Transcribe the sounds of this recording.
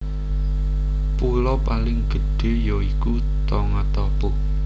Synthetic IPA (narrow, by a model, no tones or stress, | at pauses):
pulɔpalɪŋɡ̥ə̤ɖ̥e̤joiku | t̪ɔŋat̪ɔpɔ